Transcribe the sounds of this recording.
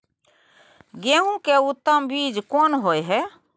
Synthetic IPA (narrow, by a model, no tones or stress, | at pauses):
ɡeɦũkeut̪ːəmbid͡ʒkonɦojɦɛ